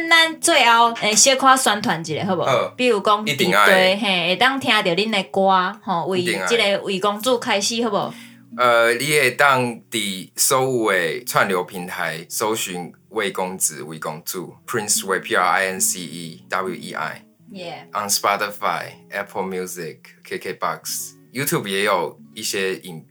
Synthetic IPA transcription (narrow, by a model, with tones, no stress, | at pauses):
nna˥˦nt͡swe˥˧ɪa˦ʊɛ̃˨˩ɕjə˦kʰwa˦swa˧˦nt̪ʰwa˨˦nt͡ɕi˨˩ɾe˨˦ɦə˧˩bo˨pi˥˧˨u˨˩kɔ˦ŋi˦t̪i˨ŋa˧t̪we˥˧˩ɦẽ˥˧˩e˨˩t̪a˥˨ŋt̪ʰj̃ã˧t̪jə˨˩li˦ne˧kwa˦hɔ̃˥˨wi˨˩˨ŋat͡ɕi˦ɾe˧wi˨˩kɔ˦ŋt͡su˥˧kʰa˦ɪɕi˧˨hə˧˩bo˨˩ | ə˨li˦e˨t̪a˥˧ŋt̪i˨˩so˦ʊ˨we˨ɪt͡sʰwa˥˨nljo˨˧ʊpʰi˧˦nt̪ʰa˨˦ɪso˦ʊɕy˨˦ŋ | we˥˨ɪkɔ˦ŋt͡sɹ̩˨wḭ˨˩kɔ˧ŋt͡sṵ˥˨pʰɹi˦nswɛ˧pʰi˧˦a˧a˧ɛ˧nsi˧i˧d̥a˦bljṵ˧ʔḭ˧ʔa̰˥˩ɪ | ʔa˨nspɔ˦t̪i˨fa̰˥˧ɪʔɛ˦pʰə˧mju˦zi˨k̚ʰːe˧˦kʰe˧ba̰˦˨ks | ju˦t̪ʰju˥˨bjɛ˨˧jo˨˩ʊi˦ɕjɛ˦i˨n